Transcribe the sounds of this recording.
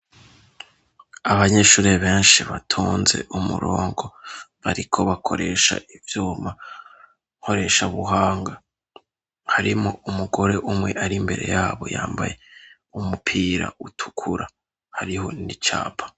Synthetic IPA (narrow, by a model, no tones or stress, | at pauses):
aβaɲe̞ʃuːɾeβe̞ːnʃiβatʰuːnze̞̰ʔumṵɾoːŋɡo̞βaɾikʰo̞βakʰo̞ɾe̞ʃa̰ivjuːma | ho̞ɾe̞ʃaβuɦaːŋɡa | haɾimoumuɡo̞ɾe̞ʔumŋe̞ʔaɾimbe̞ɾe̞̰jaːβo̞̰jaːmba̰je̞ | umupʰiːɾa̰ʔutʰu̥kʰuɾa | haɾiho̞nit͡ʃa̰ːpʰḁ